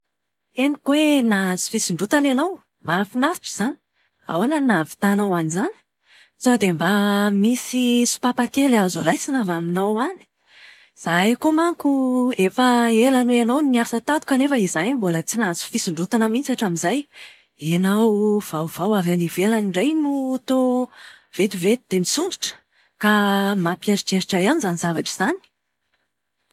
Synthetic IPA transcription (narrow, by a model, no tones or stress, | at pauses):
enikwenazi̥fisiɳɖ͡ʐut̪ananaw | mafinafiʈ͡ʂi̥z̥ani̥ | a̰wananavi̥t̪anawanizani̥ | zad̪embamisisu̥papak̪elazolajsinavaminawani̥ | z̥ajkomaŋkuefəelaneanawnniaɾisat̪at̪u̥kanefəizanimbolət͡sinazu̥fisuɳɖ͡ʐut̪anəmint͡saʈ͡ʂaminzaj | enawv̥awv̥awavanivelaniɳɖ͡ʐajnut̪o | v̥et̪uvet̪ud̪̥emisuɳɖ͡ʐiʈ͡ʂə̥ | kamapiaɾiʈ͡ʂeɾiʈ͡ʂaianizanizavaʈ͡ʂiz̥ani̥